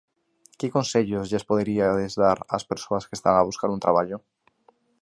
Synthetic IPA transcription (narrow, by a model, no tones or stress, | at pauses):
kɪkonseʎozʎespoðeɾiaðezðaɾa̰speɾsoɐskest̪a̰ŋaβ̞uskaɾunt̪ɾaβ̞aʎʊ